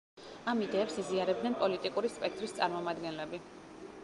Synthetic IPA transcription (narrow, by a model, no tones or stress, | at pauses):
amid̪ɛːpsiziaɾɛbd̪nɛnpʼɔlit̪ʼikʼuɾispʼɛk̚ʰt̪ʼɾist̪sʼaɾmɔmad̪ɡɛnlɛbi